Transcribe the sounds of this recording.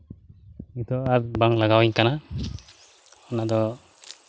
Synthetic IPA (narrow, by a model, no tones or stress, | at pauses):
mit̪ʰɔaɾbaŋlaɡawiɲkana | ɔnad̪ɔ